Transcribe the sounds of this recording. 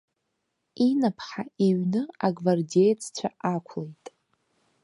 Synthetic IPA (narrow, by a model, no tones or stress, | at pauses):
inapʰħaiɥnɨaɡvardejt͡sʰt͡ɕʷʰaakʷʰlejtʼ